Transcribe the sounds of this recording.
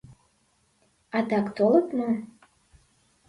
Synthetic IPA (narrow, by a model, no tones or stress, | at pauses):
ɑt̪ɑkt̪olˠɤt̪mɤ